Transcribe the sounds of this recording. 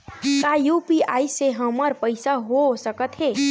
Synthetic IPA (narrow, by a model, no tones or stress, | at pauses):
kajupiajseɦəməɾpəɪsaɦosəkət̪ɦe